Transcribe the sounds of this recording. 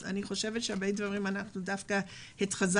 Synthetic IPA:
a̰niχo̞ʃe̞vetʃeabejdvaʁimanaχnudafkahitχaz

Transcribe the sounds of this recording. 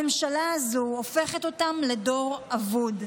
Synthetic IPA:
emʃalaːzoofe̞χe̞t̪o̞tamle̞do̞ʁavud

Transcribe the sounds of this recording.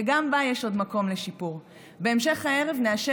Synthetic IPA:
eɡambajeʃo̞dmako̞mle̞ʃipuʁ | be̞ːmʃe̞χhae̞ʁe̞vneaʃe

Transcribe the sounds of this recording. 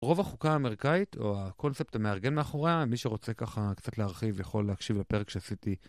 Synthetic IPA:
ʁo̞vaχukaːmeʁikaitʰo̞̰ako̞nsep̚tame̞aʁɡe̞nmeaχo̞ʁeamiʃeʁo̞t͡se̞kaχakt͡satleaʁχivjaχo̞leakʃivlepe̞ʁekʃeasiti

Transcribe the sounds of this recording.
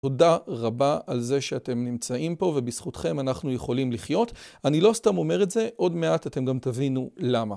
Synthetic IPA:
odaʁabaalze̞ʃeate̞mnimt͡saʔimpo̞vebisχutχe̞manaχnuje̞χo̞limliχjo̞tanilo̞stamo̞me̞ʁe̞tze̞ʔo̞dme̞atate̞mɡamtavinulama

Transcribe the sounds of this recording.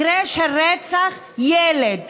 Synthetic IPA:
ɾeʃeɾɛt͡saχ | jɛled̪̚

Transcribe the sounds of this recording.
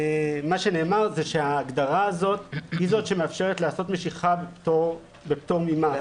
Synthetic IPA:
maʃe̞ne̞ːmaʁzeʃe̞aːɡd̪aʁaːzo̞t̪hizo̞tʃemeafʃe̞ʁet̪laːso̞t̪me̞ʃiχabpto | bept̪oʁmima

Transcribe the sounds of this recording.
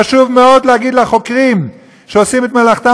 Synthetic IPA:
aʃuvmeo̞d̪lehaɡid̪laχo̞kʁim | ʃeosimet̪melaχt̪a

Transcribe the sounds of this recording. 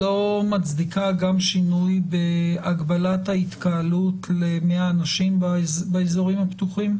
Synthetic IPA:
o̞mat͡sd̪ikaɡamʃinujbeaɡbalathait̪kaalutlemeaːnaʃimbazbaezo̞ʁimhapt̪uχim

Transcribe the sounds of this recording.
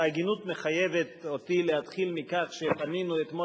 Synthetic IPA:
aɡinut̪meχajeve̞t̪o̞t̪ilehat̪χilmikaχʃepaninuet̪mo

